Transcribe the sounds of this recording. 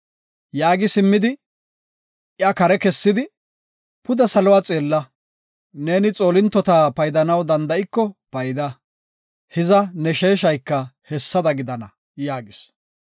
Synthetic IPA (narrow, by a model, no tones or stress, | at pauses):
jaːɡɪsɪmːɪd̪ɪ | ʔɪɐkɐɾɛkɛsːɪd̪ɪ | pʊd̪ɐsɐlɔwaːt͡sʼeːlːɐ | ne̞ːnɪt͡sʼo̞ːlɪnt̪ːɔt̪aːpɐjd̪ɐnɐwd̪ɐnd̪ɐɪkːɔpɐjd̪ɐ | hɪzɐnɛʃe̞ːʃɐjkːɐhɛsːɐd̪ɐɡɪd̪ɐnɐ | jaːɡɪs